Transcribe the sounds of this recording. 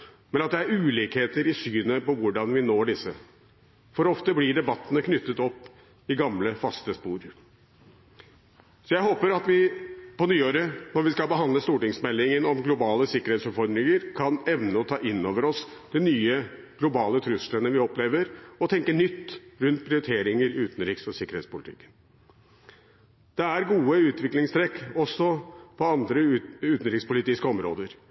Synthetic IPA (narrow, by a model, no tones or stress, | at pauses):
mɛnɑt̪d̪ɛæɾʉːliːkheːt̪əɾɪsyːnəpɔʋʊɖɑnʋɪnoːɖɪsːə | fɔɾɔft̪əblɪɖɛbɑt̪ːənəkʰnʏt̪ːət̪ɔpː | ɪɡɑmləfɑst̪əspuːɾ | sɔjæɪɦoːpəɾɑt̪ʋɪpɔnyːoːɾənɔɾʋɪskɑlbəɦɑnd̪əst̪uːʈɪŋsmɛlːɪŋənɔmɡlʊbɑːləsɪkːəɾhet̪sʉfɔɾmɾɪŋəɾkʰɑnɛʋnəɔt̪ʰɑːʔɪnːoːʋəɾɔs | d̪̥ɛnyːə | ɡ̥lʊbɑːlət̪ʰɾʉslənəʋɪɔpleːʋəɾɔt̪ʰɛŋkənʏt̪ːɾʉnt̪̚pʰɾɪʊɾt̪ʰeːɾɪŋəɾʉːt̪n̩ɾɪksɔsɪkəɾhḛːt̪spʊlɪt̪ʰɪ̰kːə̥n | d̪̥ɛæɾɡuːəʉːt̪ʰʋɪklɪŋst̪ʰɾɛkːɔsːɔpʰɔɑnd̪ɾəʉːt̪n̩ɾɪkspʊlɪt̪ɪskəɔmɾo̰ːd̪əɾ